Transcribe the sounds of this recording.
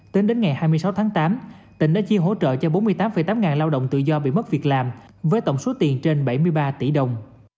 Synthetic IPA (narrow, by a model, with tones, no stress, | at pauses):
t̪e˨˦nɗe˨˦nŋa˨˩jhaː˧jm˧əsa˨˦wt̪ʰaː˨˦ŋt̪aː˨˦mt̪ï˧˩ŋɗa̰ː˧˥t͡ɕi˧əɦo̰˧˥t͡ɕə̰ː˧˨t͡ɕɔ˧ɓo˨˦nmɨ˧əjt̪aː˨˦mfə˧˩jt̪aː˨˦mŋaː˨˩nlaː˧wɗə̰˧˨wŋ͡mt̪ɨ̰˧˨zɔ˧ɓḭ˧˨mə˦˥t̚vi˨˩ək̚laː˨˩m | vəː˨˦jt̪ə˧˨wŋ͡mso˨˦t̪i˨˩ənt͡ɕe˧nɓə˧˩jmɨ˧əjɓaː˧t̪i˧˩ɗə˨˩wŋ͡m